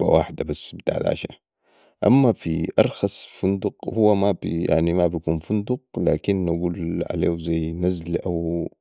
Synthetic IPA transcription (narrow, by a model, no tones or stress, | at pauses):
ba̰wa̰ːħd̪abasbit̪a̰ʕd̪ʕa̰ʃa̰ | ʔamːafiʔɑɾˤxɑsˤfund̪uqhuwːamabija̰ʕnimabjakuːnfund̪uq̚laːkinːaɡuːlʕa̰leːwzajːnazlʔaw